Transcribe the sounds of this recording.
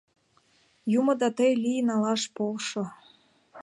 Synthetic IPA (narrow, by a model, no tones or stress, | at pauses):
jumŏd̪ɑt̪əjlʲijnɑlɑʃpolʃo